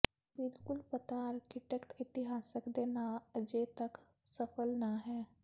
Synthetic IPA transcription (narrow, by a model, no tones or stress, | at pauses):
bɪlkʊlpət̪aɾkɪʈɛkʈɪt̪ɪɦaːsəkd̪eːnaəd͡ʒet̪ək | səpʰəlnaɦɛː